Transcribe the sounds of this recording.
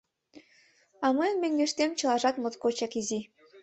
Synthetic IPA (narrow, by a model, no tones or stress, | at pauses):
ɑmɤjnmeŋɡʲeʃt̪emt͡ɕɤ̆lˠɑʒɑt̪mɤ̆t̪kot͡ɕɑkizi